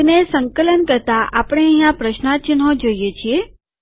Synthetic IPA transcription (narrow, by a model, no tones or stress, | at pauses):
nesəŋkələnkəɾt̪aʔapəɽ̃eə̃ɦjãpɾəʃnat͡ʃənɦõd͡ʒoijet͡ʃʰie